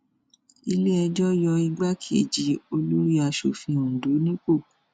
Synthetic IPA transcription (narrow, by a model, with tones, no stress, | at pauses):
i˧le˦ɛ˧d͡ʒɔ˦jɔ˧i˧ɡ͡ba˦kʰi˦e˦˨d͡ʒi˧˦o˧lo˦ɾi˦a˧ʃo˦fĩ˧˨ũ˨do˨˦nĩ˦k͡po˦˨